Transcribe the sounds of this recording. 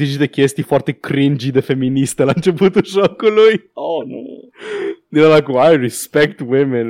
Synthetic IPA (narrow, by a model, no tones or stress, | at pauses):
zid͡ʒit̪ekʲjest̪ifɔrt̪ekɾind͡ʒid̪efemːinist̪elant͡ʃeput̪uʒɔkuluj | o | d̪iɾalakuajɹispɛk̚t̪wimẽn